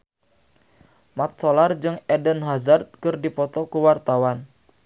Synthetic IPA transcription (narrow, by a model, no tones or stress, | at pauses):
mat̪̚sɔlard͡ʒɨŋɛdənɦazart̪̚kɨrdipɔt̪ɔkuwart̪awan